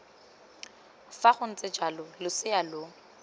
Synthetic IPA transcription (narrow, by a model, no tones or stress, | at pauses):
faχʊn̩t͡sʼɪd͡ʒalʊlʊsɪalʊ